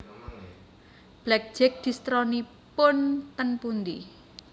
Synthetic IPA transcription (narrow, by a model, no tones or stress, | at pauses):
b̥lɛk̚d̥d͡ʒ̥ɪk̚d̪̥i̤st̪ɾɔni | pʊnt̪ənpund̪ḭ